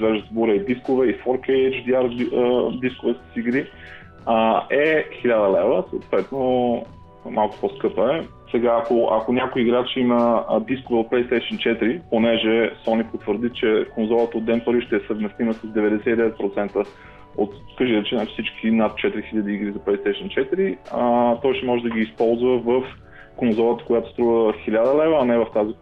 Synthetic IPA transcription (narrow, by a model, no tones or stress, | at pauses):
vɛʒəzbɔɾəid̪iskovɛifɔɾkɛɛt͡ʃd̪iaɾd̪iskovɛssiɡɾi | ɛxilʲad̪əlɛvəsəlt̪vɛt̪no | malˠkʊ̥pɔskɤpəɛ | sɛɡaːkoʔa̰konʲakojːɡɾat͡ʃɛiməd̪iskovɛot̪̚plɛjst̪ɛjʃənt͡ʃɛt̪ɾiponɛʒɛsɔnipot̪vəɾd̪it͡ʃɛkonzɔlˠət̪əoːd̪ːɛnpəɾiʃt̪ɛːsəvmɛst̪iməsəzd̪ɛvɛd̪ɛsɛt̪id̪ɛvɛt̪̚pɾot̪sɛnt̪ə | ot̪kəʒiɾɛt͡ʃɛnafsit͡ʃkʰʲinat̪̚t͡ʃɛt̪iɾixiʎʲəd̪iiɡɾizɐplɛjst̪ɛjʃənt͡ʃɛt̪iɾit̪ɔjʃt̪ɛmɔʒɛd̪əɡiːspɔlˠzvəvəf | konzɔlˠət̪ə̥kojat̪o̥st̪ɾuvəxilʲad̪əlɛvəɐnɛvəft̪azi